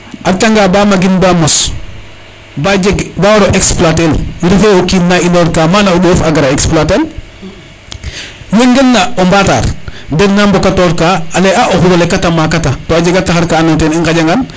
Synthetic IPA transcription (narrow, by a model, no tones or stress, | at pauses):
ʔataŋɡaːbaːmaɡinbamɔs | bad͡ʒeɡbawɾɔʔeksplatelɾifeokiːnnainoɾkaːmanaoɗoːfaɡaɾaeksplatel | weŋɡelːaombata̰ːɾdɛɡnambɔkatɔːɾkaːleʔaʔoxuɾalekatamakatatoaɟeɡataxaɾkaːnɔteːniŋkaɟaŋɡan